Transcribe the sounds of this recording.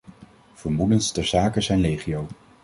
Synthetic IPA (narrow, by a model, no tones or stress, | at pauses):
v̥əɹmudəntstɛɹzaːkəzɛjnrejχijow